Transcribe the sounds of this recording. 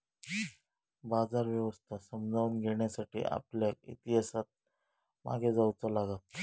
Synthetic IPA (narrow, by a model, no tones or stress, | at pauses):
bad͡zaɾʋjeʋəst̪ʰasəmd͡zʱaunɡʱeɽjasaʈḭːʔa̰pljaḭt̪iɦasat̪̚ | ma̰ɡʱed͡zaut͡salaɡat̪